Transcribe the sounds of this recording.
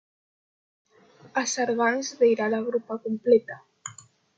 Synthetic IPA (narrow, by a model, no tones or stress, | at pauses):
asaɾɣanzðejɾalaɣɾupakumplet̪a